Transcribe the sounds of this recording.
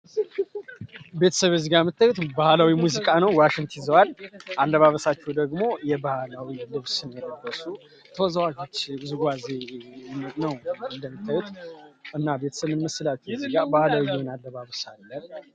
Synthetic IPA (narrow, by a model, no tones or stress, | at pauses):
be̞t̪ʰə̥səβezɨɡamːɨt̪ʰːajut̪bahlawimuzikʼanəwwaʃɪŋt̪ʰizəwalʔalːəβaβəsat͡ʃːɛwd̪əɡmo̞jɛbahalawilɨβsɨnjɛɾəɡːəsu | t̪ʰəwɔzəwad͡ʒo̞t͡ʃːzuɡʷaze | nəwɨnd̪əmːɨt̪ʰːajut̪ɨnːabe̞t̪ʰə̥səβɨnməsːɨlat͡ʃːɛwzɨɡabahlawijɛwɨnalːəβaβəsalːən